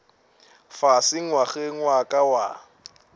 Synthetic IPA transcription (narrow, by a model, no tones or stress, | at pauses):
fasɪŋwaχɛŋwakʼawa